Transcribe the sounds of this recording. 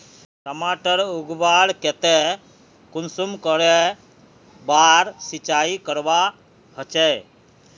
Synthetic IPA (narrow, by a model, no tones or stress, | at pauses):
ʈəmaʈəɾuɡbaɽkɛt̪e | kunsumkɔɾe | baɾsit͡ʃaikəɾba | hɔt͡ʃɛ